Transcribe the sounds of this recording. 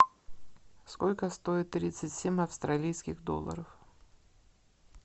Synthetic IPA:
skolʲkəst̪o̞ɪt̪ːɾʲit̪sɨtʲsʲemʲɐfst̪ɾɐlʲijskʲɪxd̪o̞̰lˠə̰ɾəf

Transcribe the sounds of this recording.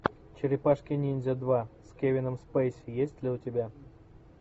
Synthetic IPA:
t͡ɕeɾʲɪpaʂkʲinʲinʲzʲed̪vasʲkʲevʲɪnəmspɛjsʲjesʲtʲlʲiutʲɪbʲa

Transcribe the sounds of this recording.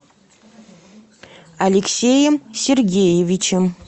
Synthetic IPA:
ɐlʲeksʲejəmsʲerɡʲejevʲit͡ɕɪm

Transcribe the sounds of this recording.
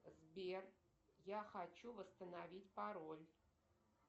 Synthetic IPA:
zbʲer | jaxat͡ɕuvəst̪ənavʲitʲpaɾolʲ

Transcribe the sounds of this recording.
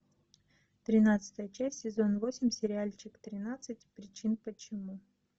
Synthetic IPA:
t̪ɾʲɪnat̪sɨ̥t̪əjət͡ɕæsʲtʲsʲɪzo̞nvosʲɪmʲsʲɪɾʲɪalʲt͡ɕɪkt̪ɾʲɪnat̪sɨtʲpɾʲɪt͡ɕinpət͡ɕɪmu

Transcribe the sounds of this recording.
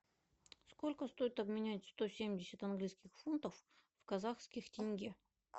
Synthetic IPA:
sko̞lʲkəst̪o̞ɪt̪ɐbmʲɪnʲætʲst̪o̞sʲemʲdʲɪsʲət̪ɐnɡlʲijskʲɪxfunt̪əfvkɐzaxskʲɪxtʲɪnʲɡʲe

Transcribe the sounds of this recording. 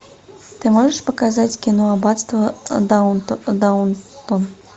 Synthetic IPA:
t̪ɨmɔʐəʂpɐkazat͡sʲkʲinɔabat̪st̪vɐd̪d̪aunt̪ɔn

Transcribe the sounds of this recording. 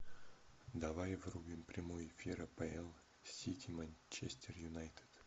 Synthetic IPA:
d̪ɐvajvrubʲɪmpɾʲɪmojɪfʲiɾəpɛɛlˠ | sʲit̪ʲʰimanʲt͡ɕesʲt̪ʲɪrjʊnajt̪ɪ̥d̪̥

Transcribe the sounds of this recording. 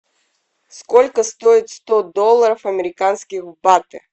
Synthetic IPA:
skolʲkəst̪oɪt̪st̪ɔd̪ɔlˠːəɾəfɐmʲɪɾʲɪkanskʲɪxbat̪ɨ

